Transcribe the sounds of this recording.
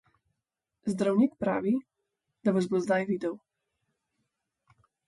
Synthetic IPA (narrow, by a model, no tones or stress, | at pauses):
zd̪ɾawnikpɾa̰ːvi | d̪avazbozd̪ajvid̪əw